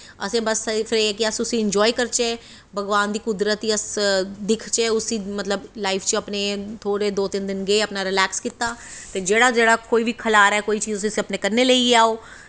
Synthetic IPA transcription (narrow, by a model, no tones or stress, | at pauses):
əsẽːbəspʰɪɾɛːkɪəsʊsĩːɪɲd͡ʒɔːikəɾt͡ʃɛː | bʱəɡʋaːnd̪iːkʊd̪ɾət̪iəsd̪ɪkʰt͡ʃɛːʊsiːmət̪ləblaːipʰt͡ʃəpneːt̪ʰoːɽeːd̪oːt̪ɪnd̪ɪnɡeːəpnaːɾɪlɛːkskɪt̪ːaːt̪eːd͡ʒeːɽaːd͡ʒeːɽaːkoːiːʋiːkʰəlaːɾɛːkoːiːt͡ʃiːzʊsisiəpneːkəɾneːləiːaːoː